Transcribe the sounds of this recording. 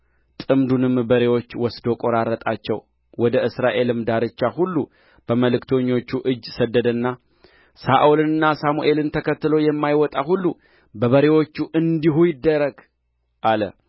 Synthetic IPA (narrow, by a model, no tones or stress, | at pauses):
t̪ʼɨmd̪unɨmbəɾe̞wo̞t͡ʃːwɔsd̪o̞kʼoɾaɾət̪ʼat͡ʃːɛw | wɔd̪əʔɨsɾaʔe̞lɨmd̪aɾɨt͡ʃːahulːu | b̥əməlɨkt̪ʰo̞ɲːo̞t͡ʃːuʔɨd͡ʒːsəd̪ːəd̪ənːa | saʔulɨnɨnːasamuʔe̞lɨnt̪ʰəkʰət̪ːɨlo̞jɛmːajwɔt̪ʼaɦulːu | bəβəɾe̞wo̞t͡ʃːuʔɨnd̪iɦujɪd̪ːəɾəɡ | ʔalə̰